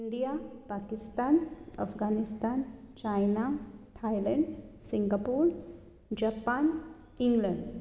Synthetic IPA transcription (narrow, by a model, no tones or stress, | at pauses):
iɳɖijapakist̪aːnə̰fɡanist̪ant͡ɕajnaʈ̪ʰajləɳɖsiŋɡapuːɾ | d͡ʑapan | iŋɡləɳɖ